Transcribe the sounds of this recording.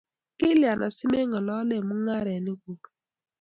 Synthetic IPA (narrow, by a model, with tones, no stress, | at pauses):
kɪ˦lja˨nʔɔ˨sɪ˦me˦ŋɔ˨lɔ˦le˨mu˦ŋa˦ɾɛ˨nɪ˦ɡu˨